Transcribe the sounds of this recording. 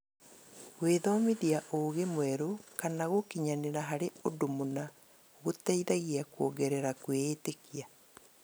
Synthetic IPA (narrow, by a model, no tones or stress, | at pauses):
ɣweðɔmiðiaʔoːɣemwɛɾokanaɣokiɲaneɾaɦaɾeodomona | ɣotaiðaɣiakwɔɡɛɾɛɾakwetekia